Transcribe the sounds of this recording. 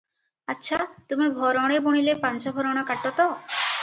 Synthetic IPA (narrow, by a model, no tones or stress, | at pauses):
atːɕʰat̪umibʱɔɾɔɽ̃eboɽ̃ilepant͡ʃɔbʱɔɾɔɽ̃akaʈːɔt̪ɔ